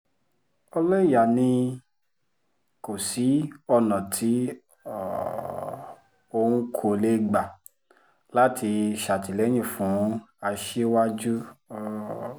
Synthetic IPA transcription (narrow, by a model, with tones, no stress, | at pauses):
ɔ˧lɔ˦i˦˨ja˨nĩ˧ | ko˨si˨˦ɔ˦˧nã˨tʰi˨˦˨ | o˧hũ˦kʰo˦˧˨le˦ɡ͡ba˨ | la˦tʰi˧ʃa˨ti˨lɛ˨˦j̃ĩ˦˨fũ˨˦a˧ʃe˦wa˦d͡ʒu˦˧